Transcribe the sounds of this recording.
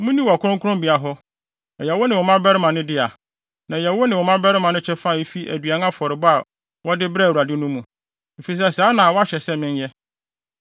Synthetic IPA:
mũ˦nĩ˦wɔ˨kʰʊ˦ʊ̃˦kʰʊ˦ɾʊ̃˦mbi˨a˨ɦɔ˦ | ɛ˨jɛ˨wɔ˦nɪ̃˨wɔ˨mã˦bɛ˦ɾɪ˦mã˨nɪ̃˦dɪ˦a˨ | nã˨jɛ˨wɔ˦nɪ̃˨wɔ˨mã˦bɛ˦ɾɪ˦mã˨nʊ̃˦t͡ɕʰɛ˦fa˦˨e˦fi˦ʔæ̰˨dɥa˨nã˦fɔ˨ɾɪ˨bʊ˦a˨ | wɔ˦dɪ˦bɾu˨ɾa˨dɪ˦nũ˦mũ˨ | e˨fi˨s̬ɛ˦˨saː˨˦nã˨wɔ˦a˦ɕɛ˨sɛ˦mɪ̃˦n˦jɛ˦

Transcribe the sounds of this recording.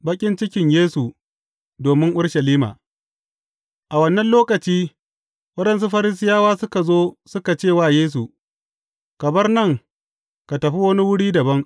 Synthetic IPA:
bɐ˦kʲʼɪ˦nt͡ʃɪ˦kʲɪ˨ɲjeː˦su˨ | doː˨mɪ˦ŋʔʊ˦ɽʃɐ˨liː˦ma̰ː˨ | ʔa˨wɐ˦nːɐ˦nloː˦kɐ˨t͡ʃiː˦ | wɐ˦ɗɛ˨ns̬u˦ɸɐ˦ɾɪ˦s̬ɪ˦jaː˦waː˦sʊ˦ka˨zoː˦sʊ˦ka˨t͡ʃeː˦˨waː˦˨jeː˦s̬u˨ | kɐ˨bɐ˦rnɐ˦˨ŋ | ka˨tɐ˨ɸi˦wɐ˦ni˦wʊ˦ɽiː˦dɐ˨bɐ˦ŋ

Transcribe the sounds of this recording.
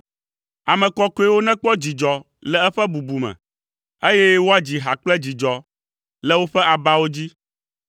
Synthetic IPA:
a˨mɛ̃˨kɔ˦ko˦ɛ˦wo˦nɛ̃˦k͡pɔ˦d͡ʑi˨d͡ʒɔ˨ | lɛ˦ɛ˦ɸɛ˦bu˨bu˨mɛ̰̃˨ | e˦jɛ˦wo˦a˦d͡ʑi˨ɦa˨k͡plɛ˦d͡ʑi˨d͡ʒɔ˨ | lɛ˦wo˦ɸɛ˦ʔa˨ba˦wo˦d͡ʑi˦

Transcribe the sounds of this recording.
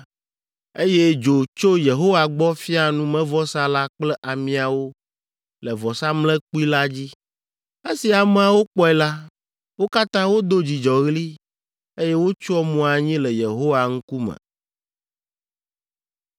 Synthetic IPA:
e˦je˦d͡ʒo˨t͡ʃo˦je˨ɦo˦wa˨ɡ͡bɔ˦fi˦a˨nũ˦mɛ̃˦vɔ˦sa˦la˦k͡plɛ˦ʔa˨mĩ˨˦a˨wo˦ | lɛ˨vɔ˨sa˦mlɛ̃˦k͡pu˦i˦la˦d͡ʑi˦ | e˦si˨a˨mẽ˦a˨wo˦k͡pɔ˦ɛ˨la˦ | wo˦ka˦t̪ã˦wo˦d̪o˦d͡ʑi˨d͡ʒɔ˨ɣli˦ | e˦je˦wo˦t͡ʃu˦ɔ˦mɔ̃˨˦a˨ɲĩ˦lɛ˨je˨ɦo˦wa˨ŋ̩˦ku˦mɛ̰˨

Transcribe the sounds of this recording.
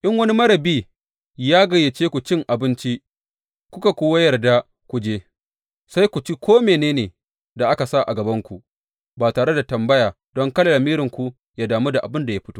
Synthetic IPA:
ʔɪ˦ŋwɐ˦ni˦mɐ˦ɾɐ˨biː˦ | jaː˦ɡɐ˨je˨t͡ʃeː˦kʷu˨t͡ʃɪ˦ŋʔa˨bɪ˦nt͡ʃi˦ʔ | kʷʊ˦ka˨kʷoː˦wa˦jɐ˨rda˦ | kʷu˨d͡ʒeː˦ | sa˦jkʷu˨t͡ʃi˦kʷoː˦meː˨neː˦neː˨ | da˨ʔa˦ka˨sa˦ʔa̰˨ɡɐ˨bɐ˦ŋkʷu˨ | baː˨taː˨ɽe˦da˨tɐ˨mbɐ˦jaː˨ | dɔ˦ŋkɐ˦lɐ˨lɐ˨miː˦ɾɪ˨ŋkʷu˨ | jaː˦daː˨mu˦da˨ʔa˨bɪ˦nda˨ja˦ɸɪ̥˦toː˦

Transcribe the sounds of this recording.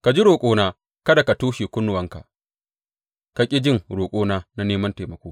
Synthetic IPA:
ka˨d͡ʒi˦ɾoː˨kʷʼoː˦naː˦ | kɐ˦da˨ka˨tuː˦ʃiː˨kʷʊ˦nːʊ˨wɐ˦ŋka̰˨ | ka˨kʲʼɪ˦d͡ʒɪ˦ŋɾoː˨kʷʼoː˦naː˦na˦neː˦mɐ˦nte˨mɐ˨kʷoː˦

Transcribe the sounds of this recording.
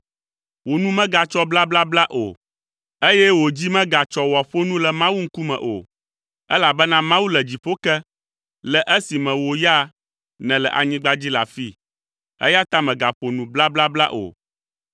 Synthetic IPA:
wo˨nũ˦mɛ̃˦ɡa˨t͡ʃɔ˦bla˦bla˦bla˦ʔo̰˨ | e˦jɛ˦wo˨d͡ʑi˦mɛ̃˦ɡa˨t͡ʃɔ˦wɔ˨ɸo˦nũ˦lɛ˨mã˦wu˦ŋ̩˦ku˦mɛ̰̃˨ʔo̰˨ | ɛ˦la˨bɛ˦nã˦mã˦wu˦lɛ˨d͡ʑi˨ɸo˦kɛ˦ | lɛ˨ʔɛ˦si˨mɛ̃˨wo˨ja˦ | nɛ̃˨lɛ˨ʔa̰˨ɲĩ˦ɡ͡ba˦d͡ʑi˦la̰˨fi˦ | ɛ̰˦ja˦t̪a˦mɛ̃˨ɡa˨ɸo˨nũ˨bla˦bla˦bla˦ʔo̰˨

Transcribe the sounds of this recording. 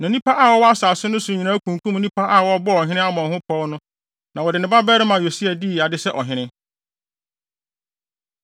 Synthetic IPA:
nã˨nĩ˦pa˦ʔa˦˨wɔ˦wɔ˦a˦saː˨sʊ˦nʊ̃˦sʊ̃˨ɲĩ˨nã˦kʰũ˨ŋ˨kʰũ˦m˦nĩ˦pʰa˦ʔa˦˨wɔ˦bɔ˦ɔ˨ɦɪ̃˦nɪ̃˦a˦mɔ̃˨hʊ̃˦pʰɔː˦nʊ̃˦ | nã˨wɔ˨dɪ˨nɪ̃˦ba˦bɛː˦ɾɪ˦mã˨o˨si˦ɛ˨di˦˨a˨dɪ˦sɛ˦ʔɔ˨ɦɪ̃˦nɪ̃˦

